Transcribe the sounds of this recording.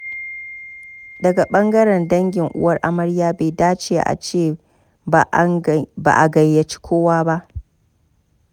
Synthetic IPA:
dɐ˨ɡa˨ɓɐ˦ŋɡɐ˦ɾɐ˨ndɐ˦ŋɡʲɪ˨ŋʔʊ̰˦wɐ˦rʔa˦mɐ˦ɽjaː˦be˨daː˦t͡ʃeː˨ʔa̰˨t͡ʃeː˦˨ | ba̰ː˨ʔa˨ɡɐ˨jːɐ˨t͡ʃi̥˦kʷʰoː˦waː˦ba˦ʔ

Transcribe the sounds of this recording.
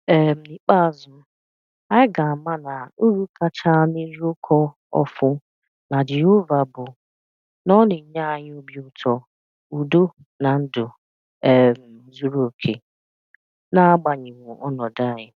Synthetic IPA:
e˨m̩˨ni˦k͡pa˦˨zʊ˨m̩˦ | a˦ɪ˦ɡa˨a˨ma˦na˨o˦ɾu˦ka˦t͡ʃa˦ni˦ɾi˦o˦kʰɔ˦ | ɔ̰˦fʊ˦ | na˨d͡ʒɪ˨ʊ˦va˨bʊ˨ | nɔ˦nɪ˨ɲa˦a˨ɲɪ˦o˦bi˦ʊ˦tʰɔ˦ | u˨do˦ | na˨n̩˦dʊ˨ | ɛ˨m̩˨˦zu˦ɾo˨kʰe˦ | na˦ɡ͡ba˨ɲɪ˨ŋo˨ʔɔ˦nɔ˨da˦˨ɲɪ˨

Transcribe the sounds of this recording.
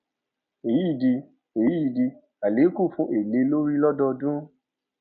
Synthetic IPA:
e˨ji˦˨di˧ | e˨i˦˨di˧ | a˨le˨˦ku˦˨fũ˦ʔe˨le˨˦lo˦ɾi˦lɔ˦dɔ˧dũ˦

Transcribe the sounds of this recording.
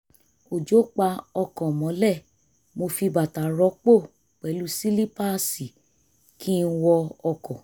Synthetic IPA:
o˨d͡ʒo˦k͡pa˧ɔ˧kɔ̃˨mɔ̃˨˦lɛ˦˨ | mo˧fi˧ba˨ta˨ɾɔ˨˦k͡po˦˨ | k͡pɛ˨˦lu˦si˦li˦pa˦˨si˨ | kʰi˦n̩˦˧˦wɔ˧ɔ˧kɔ̃˨

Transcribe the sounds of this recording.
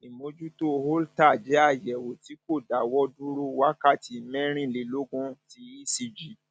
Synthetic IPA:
i˨mo˧˦d͡ʒu˦to˦˧ho˦lta˦˨d͡ʒɛ˨˦a˦˨jɛ˨wo˨ti˨˦ko˦˨da˨wɔ˦dũ˦ɾo˦wa˦ka˦˨ti˨mɛ̃˦ɾ̃ĩ˦˨le˧˦lo˦ɡũ˦ti˧˦i˦˨si˧d͡ʒi˨˦

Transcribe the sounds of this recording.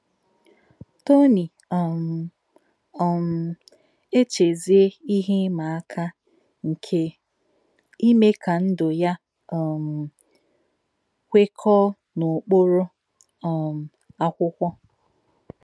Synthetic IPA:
to˦ni˨ | m˨ | m̩˨ | e˦t͡ʃe˨zi˦e˦i˦ɦe˦ma˨a˦kʰa˦ | ŋ̩˨kʰe˦ | i˦me˦ka˨n̩˦dʊ˨ja˦˨ | m̩˨ | kʷe˦kʰɔ˦ | nʊ˨k͡po˦ɾʊ˦˨ | m˨ | a˦kʷʊ˦kʷɔ˦

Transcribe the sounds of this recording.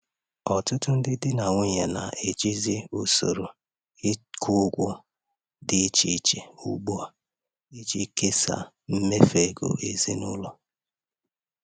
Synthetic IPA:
ɔ˨tʊ˦tʊ˦n̩˦dɪ˦dɪ˦na˨ŋʷe˦˨ɲe˨na̰˨ʔe˨d͡ʒi˦zi˦o˨so˨ɾo˨ | ɪ˦kʰʊ˦ɡʷʊ˦ | dɪ˨˦t͡ʃi˨˦t͡ʃe˨u˨ɡ͡bu˦a˦˨ | i˦d͡ʒi˦ke˦sa̰˨ | m̩˦me˦fe˨ɡo̰˨ʔe˨zi˦nʊ˦lɔ˦

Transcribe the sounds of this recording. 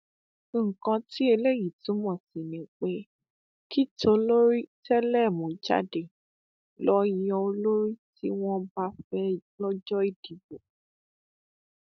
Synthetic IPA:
ŋ̩˨kã˧ti˦e˧le˦˨ji˨tũ˨˦mɔ̃˨sĩ˨nĩ˨˦k͡pe˦ | ki˦to˧˦lo˦ɾi˦tɛ˦lɛ˦˨mũ˨˦d͡ʒa̰˦de˨ | lɔ˦ji˧˦ɔ˧o˧lo˦ɾi˦tḭ˦w̃ɔ̃˦ba˧˦fɛ˦˨lɔ˦d͡ʒɔ˦i˦˨d̥i˨bo˨

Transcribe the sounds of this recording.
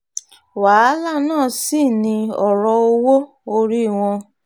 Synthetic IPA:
wa˨˦la˦˨nãː˦˨si˦˨nĩ˧ɔ˦˨ɾɔ˧o˧wo˦ | o˧ɾi˦˨w̃ɔ̃˧

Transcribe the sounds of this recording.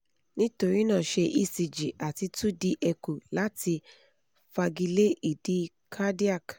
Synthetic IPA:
nĩ˦to˧ɾi˦nãː˦˨ʃe˧ʔi˦˨si˨d͡ʒi˨ʔa˨ti˧tu˦di˧ʔɛ˧ku˨la˨˦ti˧ | fa˧ɡi˧le˦i˦˨di˧˦ | kʰa˦di˦a˦˨k

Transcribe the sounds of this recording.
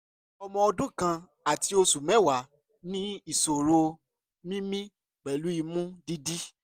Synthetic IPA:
ɔ˧mɔ̃˧ɔ˧dũ˦kã˧ | a˨ti˧o˧su˨mɛ̃˨˦˨wa˨˦ | nĩ˦i˨so˨ɾo˧ | mĩ˦mĩ˦ | k͡pɛ˨lu˨˦i˧mũ˦di˧di˦

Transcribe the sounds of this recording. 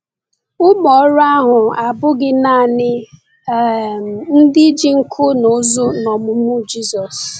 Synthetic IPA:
ʊ˦mɔ˨˦ɾa˦ɦʊ˨a˨bʊ˦ɡɪ˦na˦˨nɪ˦˨ | n̩˦dɪ˦d͡ʒi˦ŋ̩˦kʰʊ˦no˨˦zo˦nɔ˨mʊ˦mʊ˦d͡ʒi˦sɔ˨s

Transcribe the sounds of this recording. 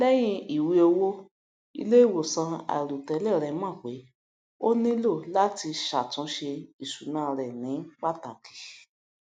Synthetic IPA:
lɛ˦j̃ĩ˧i˨wi˧o˧wo˦ | ḭ˧le˦˨wo˨sã˧a̰˨ɾu˨tɛ˨˧˦lɛ˦˨ɾɛ˧˦mã˦˨k͡pe˨˦ | o˦nĩ˦lo˦˨la˦ti˧ʃa˨tũ˨˦ʃe˧i˨ʃu˨nã˦˧ɾɛ˨nĩ˨˦k͡pa˦tã˨ki̥˨˦

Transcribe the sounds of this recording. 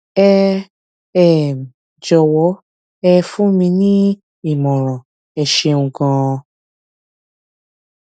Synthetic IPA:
ɛ˧ | ɛ˦˨m˨ | d͡ʒɔ˧wɔ˨˦ | ɛ˧fũ˦mĩ˧nĩ˦ | i˦˨mɔ̃˨ɾ̃ã˨ | ɛ˧˨ʃe˧ũ˨ɡã˧

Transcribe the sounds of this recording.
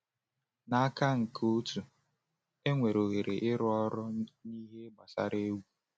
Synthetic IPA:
na˦a˦ka˦ŋ̩˨kʰu˦tu˨ | e˦ŋʷe˨ɾo˨ɣe˨ɾe˨ʔɪ˦ɾʊ˦ɔ˦ɾʊ˦ni˦ɦe˦ɡ͡ba˨sa̰˦ɾe˦wu˦

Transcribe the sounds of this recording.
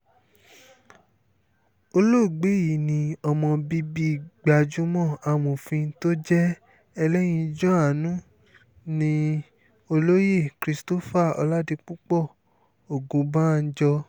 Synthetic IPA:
o˧lo˦˨ɡ͡be˨˦ji˨˦˨nĩ˧ɔ˧mɔ̃˧bi˦bi˦˨ɡ͡ba˨d͡ʒũ˦mɔ̃˦˨a˧˨mõ˨fĩ˧˦to˦d͡ʒɛ˦ | ɛ˧lɛ˦j̃ĩ˧d͡ʒɔ˦a˨nũ˦ | nĩ˧˦ | o˧lo˦je˦˨kɾi˦sto˦fa˦˨ɔ̰˧la˦di˧k͡pu˦k͡pɔ˦˨ | o˨ɡũ˨˦bã˦˨˧d͡ʒɔ˧

